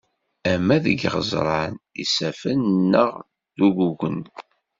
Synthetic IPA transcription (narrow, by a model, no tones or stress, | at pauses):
æmːæðəɡʁə̰zˤɾˤɑnḭsæfənːəʁ | ðuɡuʝən